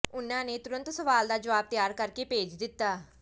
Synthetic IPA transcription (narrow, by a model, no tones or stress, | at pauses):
ʊnãːneːt̪ʊɾə̃nt̪səʋaːld̪aːd͡ʒəʋaːb̚t̪jaːɾkəɾkeːpeːd͡ʒd̪ɪt̪ːaː